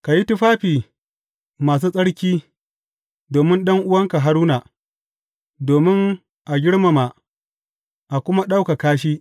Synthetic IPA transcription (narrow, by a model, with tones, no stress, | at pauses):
ka˨ji˦tʊ˦ɸaː˦ɸiː˨ | maː˨s̬uː˦sʼɐ˦ɽkʲiː˦ | doː˨mɪ˦nɗɐ˦ŋʔʊ˦wɐ˦ŋka˨ɦa˦ɾuː˦naː˨ | doː˨mɪ˦ŋ | ʔa˨ɡʲɪ˦ɽma˨ma˨ʔ | ʔa˨kʷʊ˦ma˦ɗa˦wka˨kaː˦ʃ̬iː˦